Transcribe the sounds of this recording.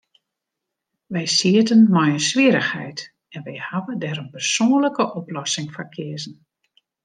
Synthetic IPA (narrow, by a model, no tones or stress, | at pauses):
ʋɛjsiətənmɔjənsʋiəɾəxhɛ̰jt | ɛnʋɛjhaʋədɛɾənpərsoːnləkəʔɔplɔsɪŋfakʰɪəzən̩